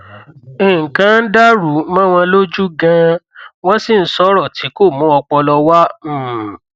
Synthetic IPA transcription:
ẽ˨ŋ̩˨kã˦n̩˦da˦ɾu˨˦mã˦w̃ɔ̃˧lo˦d͡ʒu˦ɡã˧w̃ɔ̃˦si˦˨n̩˦sɔ˦ɾɔ˦˨tʰi˨˦ko˦˨mũ˨˦ɔ˧k͡pɔ˧lɔ˧wã˦˨

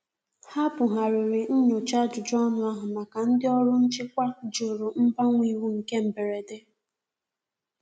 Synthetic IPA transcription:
ha˦pʊ˨ɦa˨ɾʊ˨ɾɪ˨n̩˦ɲʊ˨t͡ʃa˦d͡ʒʊ˨d͡ʒɔ˦nʊ˨a˦ɦʊ˨ma˨ka˨n̩˦dɪ˦ɔ˦ɾʊ˦n̩˦t͡ʃɪ˦kʷa˦d͡ʒo˨ɾʊ˨m̩˦ba˦ŋʷi˦˨wu˦ŋ̩˨ke˦m̩˨be˨ɾe˨de˦

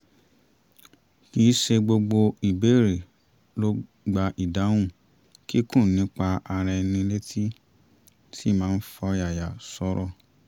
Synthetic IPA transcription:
ki˨˦ʃe˧ɡ͡bo˧ɡ͡bo˧i˨be˨˦˨ɾe˨ | lo˦ | ɡ͡ba˧ʔi˨da˨˦w̃ũ˦˨ | ki˦kũ˦˨nĩ˨˦k͡pa˧a˧ɾɛ˧nĩ˧le˦tʰi˦ | tʰi˦˨mãː˦n̩˦fɔ˧ja˨ja˨sɔ˧˦ɾɔ˦˧˨

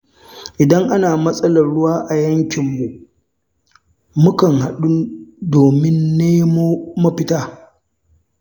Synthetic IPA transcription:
ʔɪ˨dɐ˦ŋʔa˦naː˨mɐ˦sʼɐ˦lɐ˨rɽʊ˦waː˦ʔa˨jɐ˦ŋkʲɪ˨mːu˨ʔ | mʊ˦kɐ˨ŋha˨ɗu˦doː˨mɪ˦nːeː˦mo˦mɐ˦ɸɪ˦taː˦

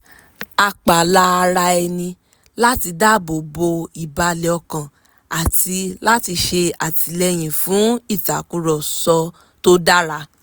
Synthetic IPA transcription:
a˨k͡pa˨la˧ɾa˧ɛ˧nĩ˧ | la˦ti˧da˦bo˨bo˧i˨ba˧lɛ˨ɔ˧kã˨ | a˨ti˧la˦ti˧ʃe˧a˨ti˨˦lɛ˧˦j̃ĩ˨fũ˨˦i˦˨ta˨˦ku˦ɾɔ˨sɔ˧ | to˦da˦ɾa˧

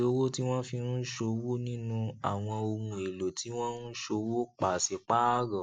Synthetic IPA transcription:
o˧˦wo˦ti˦w̃ɔ̃˦fĩ˧nũ˦ʃo˧wo˦nĩ˦nũ˧a˨w̃ɔ̃˧o˧mũ˧e˨lo˨tʰi˨˦w̃ɔ̃˦nũ˦ʃo˧wo˦k͡pa˨se˧k͡pa˦ɡɔ̃˨

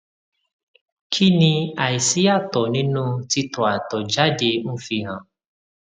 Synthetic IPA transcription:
kʰi˦nĩ˧a˨i˨si˦ja˦˨tɔ˨nĩ˦nũ˦ti˧tɔ˨a˨tɔ˨d͡ʒa˦de˧ñ̩˦fi˧ɦã˨

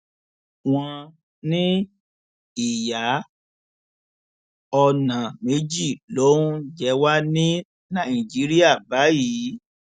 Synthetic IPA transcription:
w̃ɔ̃˧ | nĩ˦ | i˨ja˨˦ | ɔ˧nã˨me˨˦d͡ʒi˦˨lo˨˦ũ˦d͡ʒɛ˧wa˦nĩ˦ | nã˦˨ĩ˨d͡ʒi˨˦ɾi˦a˦˨ba˨˦ji˨˦

